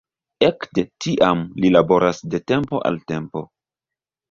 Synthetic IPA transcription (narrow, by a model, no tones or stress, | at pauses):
ekde̞tiʔamlilabo̞ɾasde̞te̞mpoʔa̰lte̞mpo̞̰